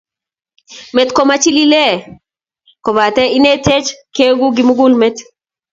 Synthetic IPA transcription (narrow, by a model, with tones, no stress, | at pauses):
me˨tkɔ˨ma˦t͡ʃi˦li˦le˦ | kɔ˨ba˨tɛ˦i˦ne˦te˦t͡ʃke˦ɡu˦ɡɪ˨mu˦ɡu˦lme˦t